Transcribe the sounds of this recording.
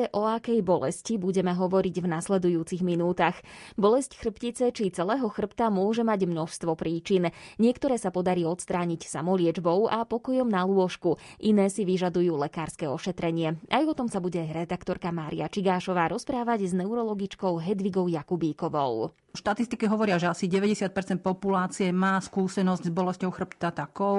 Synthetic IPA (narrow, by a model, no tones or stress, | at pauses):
ɛʔɔakɛjbɔlɛ̰scibuɟɛmɛɦɔʋɔɾiɟvnaslɛd̪ujuːt͡siɣminuːt̪axbɔlɛscxr̩pcit͡sɛt͡ʃit͡sɛlɛːɦɔxr̩pt̪amʊɔʒɛmaɟmnɔʃst̪ʋɔpɾiːt͡ʃinɲɪɛkt̪ɔɾɛːsapɔd̪aɾiːɔt̪st̪ɾaːɲicsamɔlɪɛd͡ʒbɔʊapɔkɔjɔmnalʊɔʃkuʔinɛːsiʋiʒad̪ujuːlɛkaːɾskɛɔʃɛt̪ɾɛɲɪɛʔajɔt̪ɔmsabuɟɛɾɛd̪akt̪ɔɾkamaːɾḭat͡ʃiɡaːʃɔʋaːɾɔspɾaːʋaɟznɛuɾɔlɔɡit͡ʃkɔʊɦɛd̪ʋiɡɔʊjakubiːkɔʋɔʊ | ʃt̪at̪ist̪ikɛɦɔʋɔɾɪaʒɛasiɟɛʋɛɟɛsɪat̪̚pɛɾt͡sɛnt̪̚pɔpulaːt͡siɛmaːskuːsɛnɔzɟzbɔlɛscɔʊxr̩pt̪at̪akɔʊ